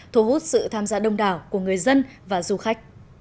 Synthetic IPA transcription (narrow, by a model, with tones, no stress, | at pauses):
t̪ʰu˧˩hu˦˥t̚sɨ̰˧˨t̪ʰaː˧mzaː˧ɗə˧wŋ͡mɗaː˨˩wku˧˩əŋɨ˨˩əjzə˧nvaː˨˩zu˧xa˦˥k̟̚